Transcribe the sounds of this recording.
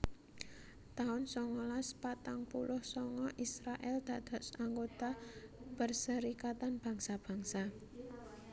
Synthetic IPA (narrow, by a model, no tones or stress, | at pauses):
t̪aʊnsɔŋɔlaspat̪aŋpṵlʊhsɔŋɔʔisɾaʔɛld̪̥ä̤d̪̥a̤ʔsaŋɡot̪apərsəɾikat̪anb̥ä̤ŋsab̥ä̤ŋsa